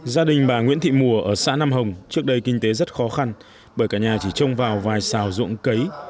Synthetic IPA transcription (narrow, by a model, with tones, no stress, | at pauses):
zaː˧ɗï˨˩ŋ̟ɓaː˨˩ŋw̰i˧˥nt̪ʰḭ˧˨mu˨˩əʔəː˧˩sa̰ː˧˥na˧mɦə˨˩wŋ͡mt͡ɕɨ˦˥ək̚ɗə˧jkï˧ŋ̟t̪e˨˦zə˦˥t̚xɔ˨˦xa˧n | ɓəː˧˩jkaː˧˩ɲaː˨˩t͡ɕi˧˩t͡ɕə˧wŋ͡mvaː˨˩wvaː˨˩jsaː˨˩wzʊ̰˧˨əŋkə˨˦j